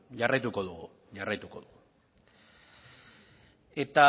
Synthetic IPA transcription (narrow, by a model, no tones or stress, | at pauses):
ʝarajt̪uko̞ðuɣu | jarajt̪uko̞̰ðuɣu | e̞t̪a